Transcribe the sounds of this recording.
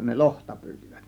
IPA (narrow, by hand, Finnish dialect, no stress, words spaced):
ne lohtɑ pyːti̥ʋ̥æ̥t